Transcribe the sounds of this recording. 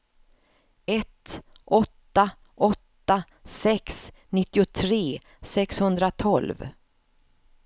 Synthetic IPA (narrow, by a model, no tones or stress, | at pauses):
ɛt̪ | ʔɔt̪ːa | ʔɔt̪ːa | sɛks | nɪt̪ːɪʊt̪ʰɾeː | sɛkshɵnd̪ɾat̪ʰɔlv